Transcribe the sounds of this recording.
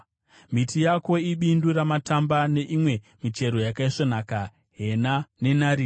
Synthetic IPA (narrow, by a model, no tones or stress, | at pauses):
mitijako̞iɓinduɾamatambane̞ʔimwe̞ | mit͡ʃe̞ɾo̞jakaiʂonaka | ɦe̞nane̞naːɾi